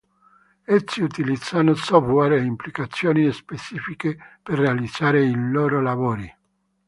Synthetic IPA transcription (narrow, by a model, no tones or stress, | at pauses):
esːiut̪ilid̪z̥anosɔvwɛɾeimplikat̪sːjoːniespet͡ʃiːfikeperːealid̪z̥aːɾeiloːɾolavoːɾi